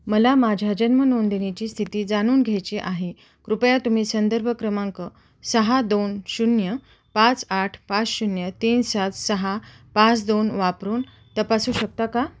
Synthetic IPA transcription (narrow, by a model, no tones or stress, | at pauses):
məlamad͡ʑʱad͡ʑənmənond̪enet͡ɕiːst̪ʰit̪iːd͡zañuːnɡʱejt͡ɕeʔaɦe | kɾupjat̪um̤iːsənd̪əɾbʱəkɾəmaŋkə | səɦad̪onɕunjə | pat͡saʈʰpat͡sɕunjət̪iːnsat̪səɦa | pat͡sd̪onʋapɾuːn | t̪əpasuːɕək̚t̪aka